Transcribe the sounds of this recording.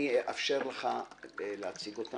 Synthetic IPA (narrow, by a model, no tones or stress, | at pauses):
iʔafʃeʁleχaleat͡siɡot̪a